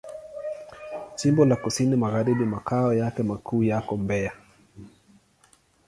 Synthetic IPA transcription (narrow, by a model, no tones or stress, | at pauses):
simbɔlakusinimaɣaɾiɓimakaɔjakɛmakuːjakɔmbɛa